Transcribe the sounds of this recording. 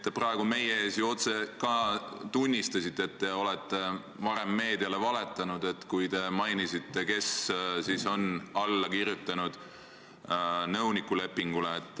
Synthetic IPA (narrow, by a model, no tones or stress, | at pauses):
t̪ːe̞prɑe̞ɡ̥ume̞jeeːsjuo̞t̪se̞kɑt̪unʲːist̪ɑsit̪ːˑeet̪ːeo̞let̪ˑːe̞ | vɑɾe̞mːe̞ːd̪iɑle̞vɑle̞t̪ːˑɑnud̪̥e̞t̪kujt̪e̞mɑjnisit̪ːe̞ke̞ssiso̞nɑlːɑkirjut̪ːˑɑnud̪̥ | nɤwnikːˑule̞pːiŋɡ̥uleːt̪ːˑ